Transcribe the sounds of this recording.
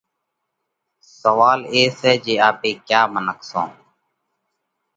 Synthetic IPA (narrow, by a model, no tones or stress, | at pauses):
səʋaːleːsɛːd͡ʒeːaːpeːkjaːmənəkʰsõ̰ː